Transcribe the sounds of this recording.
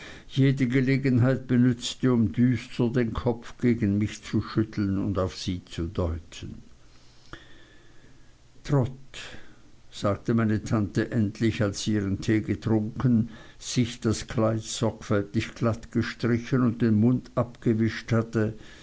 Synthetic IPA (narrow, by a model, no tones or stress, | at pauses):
jeːdəɡəleːɡənɦaɪt̚b̥ənʏt͡stəʊmdyːstʰədeːnkʰɔpfɡ̥eːɡn̩mɪçt͡suʃʏtʰl̩nʊ̰ndaʊfz̥iːt͡sudɔʏtʰən | tʁ̥ɔt | z̥aːk̚təmaɪnətʰantəʔɛntʰlɪçalsiːʁəntʰeːɡətʁ̥ʊŋkən̩z̥ɪçd̥askʰlaɪtz̥ɔɐkfɛltɪçɡ̥latɡ̥əʃtʁ̥ɪçənʊnt̚d̥eːnmʊndʔapɡ̥əvɪʃthatə